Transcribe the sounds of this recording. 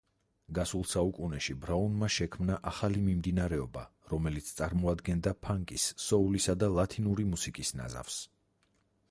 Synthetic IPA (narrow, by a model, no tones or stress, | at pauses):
ɡasulˠsaukʼunɛʃibɾaunmaʃɛkʰmnaʔaχalimimd̪inaɾɛɔbaɾɔmɛlit̪sʰt̪sʼaɾmɔad̪ɡɛnd̪apʰaŋkʼisːɔulisad̪alˠat̪ʰinuɾimusikʼisna̰za̰fs